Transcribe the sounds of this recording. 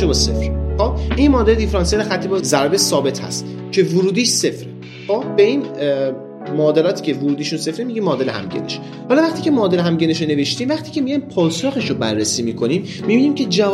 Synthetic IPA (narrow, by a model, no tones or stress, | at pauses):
ebɒːsḛfɾxob̥̚ʔimɒːd̪eed̪ifɾɑnsied̪æxæt̪ʰːibɒzæɾbesɒːbe̞t̪hæ̰st̪ | cʰe̞voɾuːd̪iːʃse̞fɾe | xobbe̞iːn | mɒːd̪elɒːt̪ʰiːcʰe̞voɾuːd̪iːʃunse̞fɾemiɟimɒːd̪elehæ̰mɟḛneʃ | hɒlɒvæχt̪iːcʰe̞mɒːd̪eleɦæmɟeneʃone̞veʃt̪iːmvæχt̪ʰiːcʰe̞mijɒjnpʰɒːsoxeʃobærːesiːmiːkʰo̞niːmːibiːniːmcʰe̞d͡ʒæ